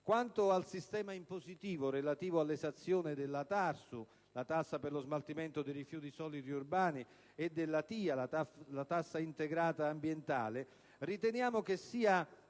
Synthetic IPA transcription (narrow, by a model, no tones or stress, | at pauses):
kwant̪ʊalsist̪ɛːmaimpozit̪iːvʊrelat̪iːvʊalːesat̪sːjoːnɪd̪ɪlːat̪arsu | lat̪asːaperlʊzmalt̪iment̪ʊd̪ejrifjuːt̪isɔːlid̪iurbaːni | ed̪ːelːat̪iːalat̪asːaint̪eɡɾaːt̪aːmbjent̪a̰ːlɪ | rit̪ɛnjaːmʊk̟esːiːa